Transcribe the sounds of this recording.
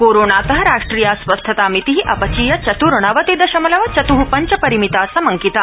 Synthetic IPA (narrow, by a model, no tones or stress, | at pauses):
koːɾoːɳaːt̪ɐɦɐɾaːʂʈɾiːjaːsʋɐst̪ʰɐt̪aːmit̪iɦiʔɐ̰pɐt͡ʃiːjɐt͡ʃɐt̪uɾɐɳ̃ɐʋɐt̪id̪ɐʃɐmɐlɐʋɐt͡ʃɐt̪uɦupɐɲt͡ʃɐpɐɾimit̪aːsɐmɐŋkit̪aː